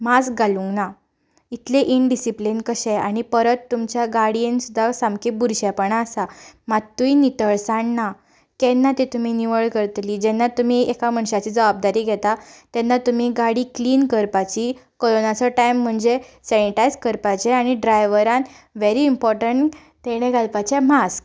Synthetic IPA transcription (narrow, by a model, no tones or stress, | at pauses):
masɡaluna | it̪leʔiɳɖisiplinkəɕɛaɽ̃ipəɾət̪ːumt͡ɕjaɡaɽiensud̪ʱːasãmkebuɾɕapəɳaːsamat̪ːuinit̪əɭsãɳːa | kɛnːat̪et̪um̤iniʋəɭkəɾt̪liːd͡ʑɛnːat̪um̤iekam̤əɳɕat͡ɕiːd͡zəʋab̚d̪aɾiːɡʱɛt̪at̪ɛnːat̪um̤iɡaɽiːkliːnkəɾpat͡ɕikoɾonat͡sɔʈajm̤ːəɳd͡zesɛniʈajzkəɾpat͡ɕeaɽ̃iɖɾajʋəɾãn | ʋeɾiːmpɔɾʈəɳʈ | t̪eɽ̃ẽɡʱalpat͡ɕɛmask